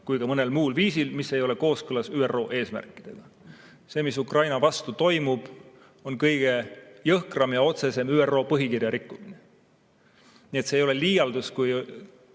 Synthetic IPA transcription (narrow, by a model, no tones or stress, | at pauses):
kujkɑmɤne̞lmuːlviːsilmisːe̞jo̞le̞ko̞ːskɤlɑsyːero̞ːʔe̞ːsmæ̰rkːˑid̪̥e̞ɡ̥ɑ | se̞ːmisukrʔɑjnɑvɑst̪ut̪o̞jmub̥ | o̞nkɤjɡ̥e̞jɤhkrɑmjɑo̞t̪se̞se̞myːero̞ːpɤɦikirjɑɾikˑːumine | nie̞t̪seːjo̞leliːjɑld̪uskuj